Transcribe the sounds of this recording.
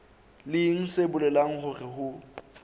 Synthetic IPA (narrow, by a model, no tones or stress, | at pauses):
lɪŋ̩sebʊlɛlaŋ̩ɦʊrɪhʊ